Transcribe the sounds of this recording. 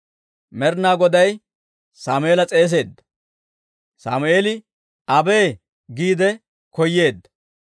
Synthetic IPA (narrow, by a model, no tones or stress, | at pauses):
mɛɾnaːɡɔd̪ɐj | saːmʊʔeːlɐt͡sʼe̞ːs̬e̞ːd̪ːɐ̥ | sa̰ːmʊeːlɪ | ɐbe̞ː | ɡiːd̪ɛ | kɔjːe̞ːd̪ːɐ̥